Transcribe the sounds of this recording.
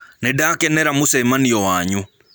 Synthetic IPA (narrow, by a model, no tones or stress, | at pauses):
nedaːkɛnɛɾamosɛmaniɔwaːɲu